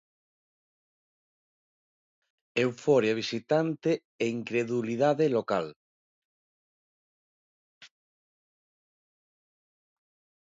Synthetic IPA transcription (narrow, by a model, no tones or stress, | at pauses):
ewfoɾjaβ̞isit̪ant̪e | eiŋkɾeðuliðaðelokal